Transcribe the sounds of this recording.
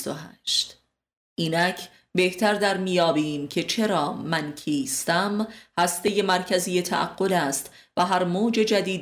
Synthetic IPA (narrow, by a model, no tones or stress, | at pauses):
st̪oɦæːʃt̪ | ʔiːnæcʰ | be̞ht̪ʰæɾd̪æɾmijɒːbiːmcʰe̞t͡ʃʰe̞ɾɒːmæncʰiːst̪æmhæst̪e̞je̞mæɾcʰæzije̞t̪ʰæ̰ʔæ̰ɡːo̞læːst̪ | væɦæɾmoːd͡ʒe̞d͡ʒæd̪iːd̪